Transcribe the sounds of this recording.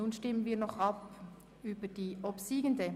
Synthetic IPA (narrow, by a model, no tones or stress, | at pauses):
unʃtɪmənviːɐnɔχɑp | yːbəd̥iːʔɔpsiːɡəndə